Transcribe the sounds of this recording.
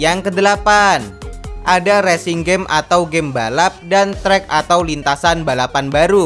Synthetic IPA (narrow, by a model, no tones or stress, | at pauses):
jaŋkədəlapanʔadaɾɛsiŋɡɛmʔa̰t̪awɡɛmbalap̚dant̪ɾɛkat̪awlint̪asanbalapanbaɾu